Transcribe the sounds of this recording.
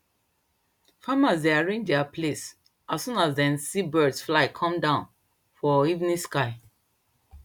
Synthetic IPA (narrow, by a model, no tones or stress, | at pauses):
famazdeaɹẽnd͡ʒdɛapʰles | assũnazdɛ̃nsibɜdsflaɪkʰɔ̃mdãʊ̃n | fɔivnĩskaɪ